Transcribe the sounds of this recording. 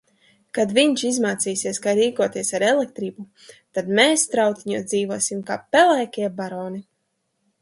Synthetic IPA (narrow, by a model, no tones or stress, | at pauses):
kad̪viɲt͡ʃizmaːt̪siːsiɛskajɾiːkuɔt̪iɛsaɾɛlɛk̚t̪ɾiːbu | t̪ad̪meːst̪ɾawt̪iɲud̪ziːvuɔsʲimkaːpɛlˠɛjkʲiɛbaɾɔːni